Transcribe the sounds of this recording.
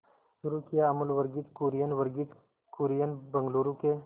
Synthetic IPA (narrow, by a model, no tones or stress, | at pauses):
ʃʊɾukijaɐməlʋɐɾɡiːt̪kuːɾijənʋɐɾɡit̪ | kuːɾijənbɐ̃ŋɡloːɾuke